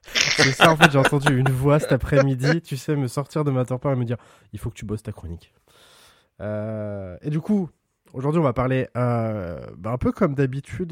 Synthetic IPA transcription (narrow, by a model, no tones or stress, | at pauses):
sɛsaɑ̃fɛt̪ʒeɑ̃t̪ɑ̃d̪yynvwasɛt̪apχɛmid̪it̪ysɛməsɔʁt̪iʁd̪əmat̪ɔʁpɛ̃ʁeməd̪iʁ | ilfokə̥t̪ʰybɔst̪akχɔnik | øed̪yku | oʒuʁd̪ɥiɔ̃vapaʁleøbaɛ̃pøkɔmd̪abit̪ʰyd̪